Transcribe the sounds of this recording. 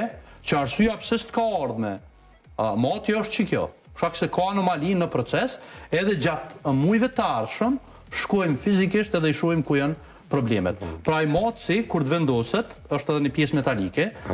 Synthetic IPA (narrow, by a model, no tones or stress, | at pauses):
t͡ʃəaɾsyapsist̪kaɔɾðmɛ | mɑt̪jɛəʃt̪t͡ʃəkjɔ̰ | əʃkaksɛkaanɔmalinəpɾɔt͡sɛsɛðɛd͡ʑat̪mujvɛt̪əaɾʃəm | ʃkɔjmfizikiʃt̪ɛðɛiʃɔjmkujan | pɾɔblɛmɛ̰t̪̚pɾɔajmat̪sikuɾd̪vɛnd̪ɔsɛt̪əʃt̪ɛðɛnəpjɛsmɛt̪alikɛ